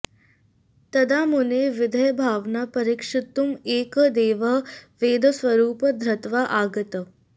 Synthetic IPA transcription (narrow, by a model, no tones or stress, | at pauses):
t̪ɐd̪ʱaːmuneʋɪd̪ʱəjəbʱaːʋnapɐɾikʂɪt̪umeːkd̪eːʋɐɦʋeːd̪ʱəsʋɐɾuːpəd̪ʱɾɐt̪ʋaʔaːɡət̪ə